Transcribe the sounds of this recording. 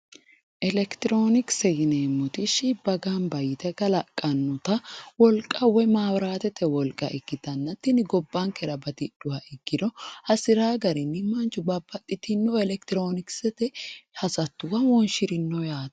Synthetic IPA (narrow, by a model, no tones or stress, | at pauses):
ʔɛlɛkt̪ɪɾo̞ːnɪksɛɡɪneːmːʊt̪ɪʃɪbɐɡaːnbɐjɪt̪ɛɡɐlɐkʼːɐnːʊt̪ɐwɔlkʼɐwɔjmaːwɾaːt̪ɛt̪ːɛwɔlkʼːɐ̰ʔɪɡːɪt̪ɐnːɐt̪ːɪnɪɡɔbːaŋkɛɾɐbɐt̪ɪd̥ʊhɐʔɪɡ̥ːɪd̪ɔhɐsɪɾaːɡɐɾɪnːɪmɐnt͡ʃːʊbɐbːɐt̪ʼːɪt̪ɪnːɔɛlɛkt̪ɪɾo̞ːnɪksɛt̪ɛhɐsɐt̪ːʊwɐwɔnʃɪɾɪnːɔjaːt̪